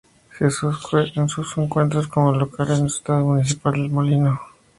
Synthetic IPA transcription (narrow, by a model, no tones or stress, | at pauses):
sesensuseŋkwe̞nt̪ɾos̬komolokalenelst̪aðomunis̬ipald̪elmolino